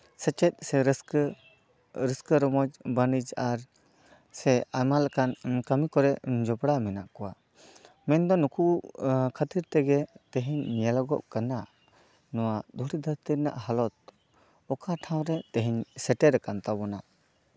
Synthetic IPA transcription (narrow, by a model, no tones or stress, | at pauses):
sɛt͡ʃɛt̪̚ˀsɛɾs | ɾəskəɾɔmɔd͡ʒbanid͡ʒaɾ | sɛamalakankamikɔɾɛʔd͡ʒɔbɽamɛna̰ʔkɔwa | mɛnd̪ɔnukukʰət̪iɾt̪ɛɡɛt̪ɛɦiɲːijalɔɡɔʔkana | nɔwad̪uɽid̪ʱəɾt̪iɾna̰ʔɦalɔt̪̚ | ɔkaʈʰãw̃ɾɛt̪ɛɦiɲsɛʈɛɾɛkant̪abɔna